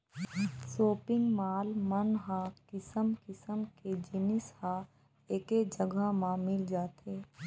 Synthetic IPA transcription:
soːpɪ̃ŋɡmaːlmənɦãːkɪsəmkɪsəmked͡ʒɪnɪshã | eːked͡ʒəɡəmãmɪld͡ʒaːt̪eː

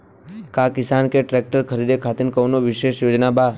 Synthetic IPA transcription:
kaːkɪsaːnkeʈɾɛːk̚ʈəɾkʰəɾiːd̪ekʰaːt̪ɪnkɐwnoʋɪʃeːʃjoːd͡ʒnabaː

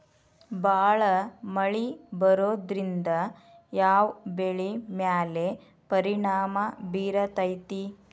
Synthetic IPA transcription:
baːɭɐmɐɭibɐɾoːd̪ɾind̪ɐ | jaːʋbeɭimjaːle | pɐɾiɳaːmɐbiːɾɐt̪ɐjt̪i

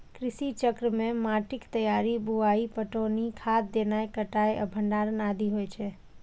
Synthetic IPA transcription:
kɾɪʃit͡ʃəkɾəmẽmaʈɪkt̪əjaɾibuaipəʈonikʰat̪̚d̪enajkəʈajə̰bʱəɳɖaɾənad̪iɦojt͡ʃʰe

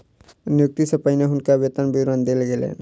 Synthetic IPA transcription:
nijuk̚t̪isəpajneɦʊnkabet̪ənbiɾənd̪elɡelḛn

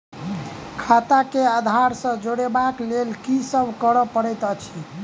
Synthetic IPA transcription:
kʰat̪akead̪ʱaɾsə̃d͡ʒoɽebaklelkisəbʱkəɾəpəɽɛjt̪ət͡ʃʰi

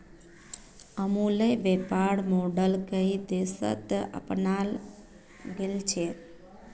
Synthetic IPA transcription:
əmũləʋepaɽmoɖəlkəid̪esə̰t̪ə̰pnal | ɡelt͡ʃʰe

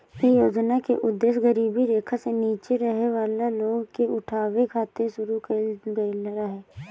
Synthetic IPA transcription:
kijoːd͡ʒnakeʔʊd̪ːesɡəɾiːbiɾeːkʰaseniːt͡ʃeɾəɦeʋaːlaloːɡkeʊʈʰaːwekʰaːt̪eʃʊɾukeɡelɾaɦɛː

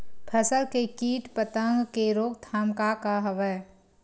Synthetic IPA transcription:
pʰəsəɾkekiːʈpət̪ə̃ŋɡkeɾoːɡt̪ʰaːmkakaɦəʋəj

